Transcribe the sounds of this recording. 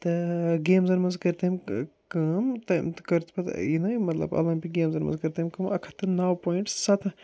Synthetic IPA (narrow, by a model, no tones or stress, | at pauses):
t̪ɨɡeːmzɐɾmɐnzkɐɾt̪emkɨmt̪ɐmt̪kɐɾt̪ʰpɐt̪inɐmɐt̪lɐ̰bɐ̰lɐpiɡeːmzɐɾmɐ̰nzkɐɾt̪emkɨmɐkʰɐ̥t̪ɨnaːwpoːjiɳʈssɐt̪ʰ